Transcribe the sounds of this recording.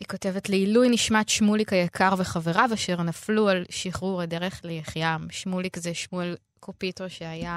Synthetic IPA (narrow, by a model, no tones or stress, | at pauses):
hiko̞te̞vetleilujniʃmatʃmulikajakʰaʁveχaveʁavaʃeʁnaflualʃiχuʁedeʁeχlejeχjamʃmulikzeʃmuel | kʰopitoʃeaja